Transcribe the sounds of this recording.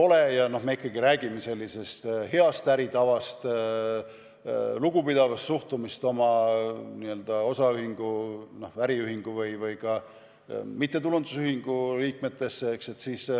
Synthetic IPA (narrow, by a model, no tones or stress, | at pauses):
o̞lejɑno̞hmeikːɑɡiɾæːɡ̥ime̞se̞lʲːise̞st̪he̞ɑst̪æɾit̪ɑvɑst̪ | luɡ̥upid̪̥ɑvɑst̪suht̪umist̪o̞mɑniːø̞ld̪̥ɑo̞sɑyhiŋɡ̥uno̞hvæɾiyɦiŋɡ̥uvɯjvɯjkɑ | mit̪ːe̞t̪ulund̪usyhiŋɡ̥uliːk̚me̞t̪ːˑe̞sːeehkse̞t̪siːs